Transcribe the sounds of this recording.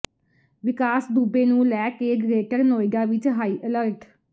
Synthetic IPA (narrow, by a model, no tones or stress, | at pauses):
ʋɪkaːsd̪uːbeːnũːlɛːkeːɡɾeːʈəɾnoːɪɡaːʋɪt͡ʃɦaːiːʔələɾʈ